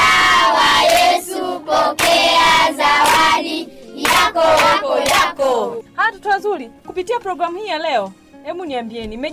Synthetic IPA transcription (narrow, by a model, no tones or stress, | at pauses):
awajɛsupɔkɛazawalijakɔjakɔhaatutuazuɾikupitiapɾɔɡɾamuhiːjalɛɔ | ɛmuniambiɛnimɛ